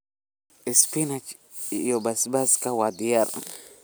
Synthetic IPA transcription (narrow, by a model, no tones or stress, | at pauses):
ispinat͡ʃ | jɔbasbaskawad̪ijaɾ